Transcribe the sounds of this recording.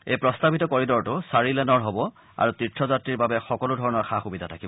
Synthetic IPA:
ejpɹɔstabitɔkoɹidɔɹtʊsaɹilɛnɔɹɦɔbɔ | a̰ɹutɹitʰɹɔzatɹiɹbabɛxɔkɔlʊdʱɔɹɔnɔɹxʰaxubidʱatʰakibɔ

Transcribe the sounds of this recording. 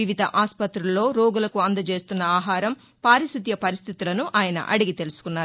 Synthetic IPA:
iʋid̪ʱɐ̰ʔaːspɐt̪ɾulːo̞ːɾoːɡulɐkuɐnd̪ɐt͡ʃeːst̪unːɐaːɦaːɾɐm | paːɾisut̪jɐpɐɾist̪ʰit̪ulɐnuʔaːjɐnɐ̰ʔɐ̰ɽiɡit̪elusu̥kunːaːɾu

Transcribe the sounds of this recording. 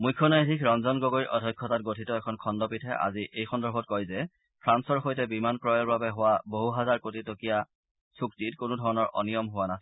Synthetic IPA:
mujkʰːɔnajdʱikɹɔnzɔnɡoɡoɹiʔɔdʱɔjkʰːɔtat̚ɡotʰitɔɛkʰɔnkʰɔndɔpitʰɛʔa̰ziʔejxʰɔndɔɹbʱɔt̚kɔjzɛ | pʰɹansɔɹxojtɛbimankɹɔjɔɹbabɛɦʊwaboɦuɦazaɹkotitokija | suktitkonʊdʱɔɹɔnɔɹʔɔ̰nijɔmɦʊwanas

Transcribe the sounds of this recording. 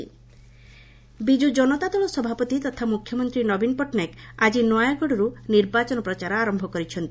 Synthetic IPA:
ḭ | bid͡ʒud͡ʒɔnɔt̪at̪ɔɭɔsɔbʱapɔt̪it̪ɔt̪ʰamukʰːjɔmɔnt̪ɾinɔbinpɔʈnekad͡ʒinɔjaɡʱɔɽɔɾuniɾbat͡ʃɔnɔpɾɔt͡ʃaɾɔaɾɔmbʱɔkɔɾit͡ʃʰɔnt̪i

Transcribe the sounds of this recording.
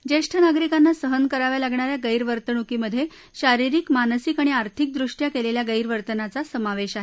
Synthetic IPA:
d͡ʑeʂʈʰənaɡɾikanːasəɦənkəɾaʋalaɡɳaɾjaɡəjɾʋəɾt̪əɳukiməd̪ʱːje | ɕaɾiɾikmanəsikaɽ̃iaɾt̪ʰik̚d̪ɾuʂʈjakeleljaɡəjɾʋəɾt̪ənat͡sasəmaʋeɕaɦe

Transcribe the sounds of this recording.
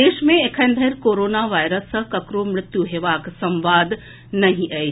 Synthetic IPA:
eːʃmẽekʰə̃nd̪ʱɐɾkoːɾoːnaʋaːjɾəsɐkɐkɾomɾɪt̪juɦeʋaːksɐ̃mʋaːd̪ | nɐɦĩʔɐi

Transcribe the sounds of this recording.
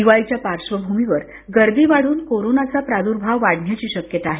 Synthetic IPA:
iʋajit͡ɕjapaɾʂʋəbʱumiʋəɾ | ɡəɾd̪iːʋaɽ̤uːnkoɾonat͡sapɾad̪uɾbʱaʋːaɽɳjat͡ɕiːɕəkjət̪aːɦe

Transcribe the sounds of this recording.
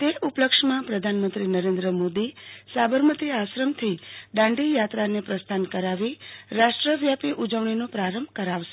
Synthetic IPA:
t̪eʔupləkʂmãpɾəd̪ʱanmənt̪ɾinəɾend̪ɾəmod̪isabəɾmət̪iaʃɾəmt̪ʰiɖãɳɖijat̪ɾanepɾəst̪ʰankəɾaʋiɾaʃʈɾəʋjapiʔud͡ʒəʋɳ̃inopɾaɾəmbʱkəɾaʋʃe̥

